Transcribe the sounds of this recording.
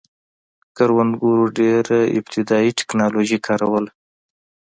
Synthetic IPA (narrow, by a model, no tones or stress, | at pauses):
kaɾwanɡuɾuɖeɾaɪ̰bt̪ʰɪd̪ɑiʈɪ̥knɑloʒikʰɑɾawəl